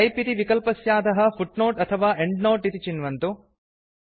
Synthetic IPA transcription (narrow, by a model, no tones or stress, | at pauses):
ɐjpit̪iʋikɐlpɐsjaːd̪ɐɦɐfʰuʈnoːʈɐt̪ʰɐʋaːʔeɳɖnoːʈit̪it͡ʃinʋɐnt̪u